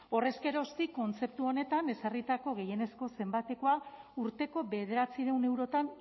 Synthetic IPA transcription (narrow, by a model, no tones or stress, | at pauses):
o̞re̞ske̞ɾo̞st̪ikːo̞nt͡se̞p̚t̪uo̞ne̞t̪ane̞sarit̪ako̞ɣe̞je̞ne̞sko̞se̞mbat̪e̞ko̞auɾt̪e̞ko̞βe̞ð̞e̞ɾat͡siɾe̞wne̞wɾo̞t̪an